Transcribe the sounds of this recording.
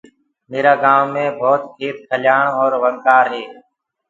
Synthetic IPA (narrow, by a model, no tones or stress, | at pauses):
meːɾaːɡaːmːẽːbʱoːt̪kʰeːt̪̚kʰəljaːɳɔːɾʋəŋkaːɾɦeː